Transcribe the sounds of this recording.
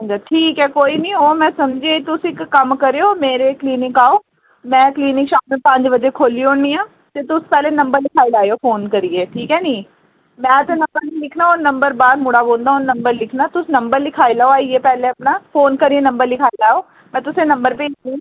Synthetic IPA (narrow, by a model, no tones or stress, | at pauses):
d͡ʒaʈʰiːkɛːkoːiːnĩːoːmɛ̃ːsəmd͡ʒeːt̪ʊsɪkːəmkəɾeoːmeːɾeːkliːnɪkaːoː | mɛ̃ːkliːnɪkʃaːmneːpə̃ɲd͡ʒbəd͡ʒeːkʰoːliːoɳniːaː | t̪eːt̪ʊspɛːleːnəmbəɾlɪkʰaːilaːeoːfʰoːnkəɾiːeːʈʰiːkɦɛːnĩː | mɛ̃ːt̪eːnəmbəɾnĩːlɪkʰnaːʊnəmbəɾbaːɾmʊɽaːboːld̪aːʊnəmbəɾlɪkʰnaːt̪ʊsnəmbəɾlɪkʰaːilaːoaːieːpɛːleːəpnaːpʰoːnkəɾiːeːnəmbəɾlɪkʰaːilaːoː | mɛ̃ːt̪ʊsẽːnəmbəɾpeːd͡ʒnĩː